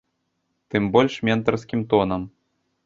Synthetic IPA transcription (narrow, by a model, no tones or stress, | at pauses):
t̪ɨmbolʲʂmʲent̪ɐrsʲkʲimt̪onɤm